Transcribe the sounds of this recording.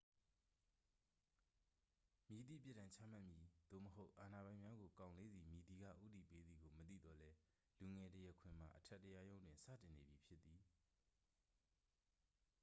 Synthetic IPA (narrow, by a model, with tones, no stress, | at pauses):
mi˨t̪ḭ˦˨pjɪ˦tːã˨ɲt͡ɕʰa̰˦˨m̥a˦ʔmji˨d̪̥o̰˦˨məɦo˦ʊʔa˨na˨bã˨ɪ̃mja˦ɡo˨kã˨ʊ̃le˦d̪ði˨mji˨t̪i˨ɡa̰˦˨ʔṵ˦˨t̪ḭ˦˨pe˦d̪ði˨ɡo˨mət̪ḭ˦˨d̪ɔ˨lɛ˦ | lu˨ŋɛ˨təjɛ˦˨kʰwɪ̰̃˨m̥a̰˨ʔətʰɛ˦tːəja˦jõ˦ʊ̃ndwɪ̃˨nsä̰˦˨tɪ̃˨ne˨bji˨pʰjɪ˦t̪ːi˨